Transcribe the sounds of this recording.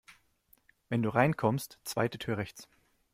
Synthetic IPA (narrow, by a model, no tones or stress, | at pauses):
vɛnduːʁaɪnkʰɔmstt͡sv̥a̰ɪtətʰyːɐʁɛçt͡s